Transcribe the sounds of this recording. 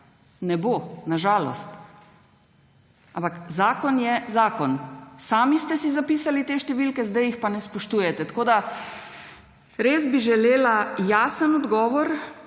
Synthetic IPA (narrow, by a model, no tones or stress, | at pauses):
nɛboːnaʒaːlɔst̪ | ãmpakzaːkɔnjɛzaːkɔnsaːmist̪ɛsizapiːsalit̪eːʃt̪ɛʋilkɛzd̪ajixpanɛspɔʃt̪uːjɛt̪ɛt̪koːd̪a | ɾeːzbiʒɛleːlajaːsənɔd̪ɡɔːʋɔɾ